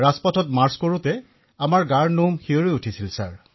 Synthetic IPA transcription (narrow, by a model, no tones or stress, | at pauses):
ɹaspɔtʰɔtmaɹskoɹutɛ | amaɹɡaɹnumxioɹojutʰisilsaɹ